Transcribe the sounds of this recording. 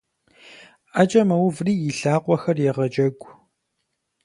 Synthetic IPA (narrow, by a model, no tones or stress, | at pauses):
at͡ʃʼɐmɐwʊvriːjɪɬaːqʷɔxɐrjɛʁɐd͡ʒʼɐɡʷ